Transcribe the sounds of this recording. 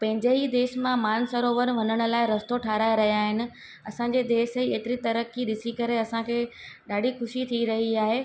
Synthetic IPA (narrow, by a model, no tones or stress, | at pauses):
pɐ̃ɦɪ̃ɲd͡ʑeid̪eːʃmãmaːnsɐɾoːʋəɾʋɐnəɽ̃ʊ̆laːɪɾɐst̪oʈʰaːɾaːjɾɐɦijaːɦɪnɪ̆ | ɐsãɲ̆d͡ʑed̪eːʃieːt̪ɪɾit̪ɐɾəkiɗɪsikɐɾeɐsãkʰeːɗaːɖʱixʊʃit̪ʰiɾɐɦiaːɦeː